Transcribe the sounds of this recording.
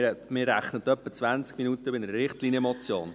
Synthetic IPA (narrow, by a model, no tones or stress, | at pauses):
mɪːrːæχnət̪œpːət͡sʋænt͡skminut̪əbɪnəɾəɾɪχtliːnjəmɔt͡sjo̰ːn